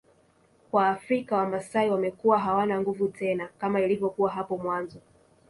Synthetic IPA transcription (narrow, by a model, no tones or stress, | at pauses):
kwaːfɾikawamasaiwamɛkuwaɦawanaŋɡuvutɛnakamailivɔkuwaɦapɔmwanzɔ